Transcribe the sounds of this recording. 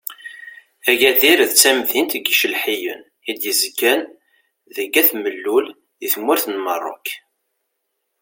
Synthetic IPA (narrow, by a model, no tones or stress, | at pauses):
æʝæðiɾðt͡sːæmðint̪ɡiʃəlħijən | id̪jəzɡən | ðəɡæθməlːul | əθmːʊɾθnmərˤːʊ̰k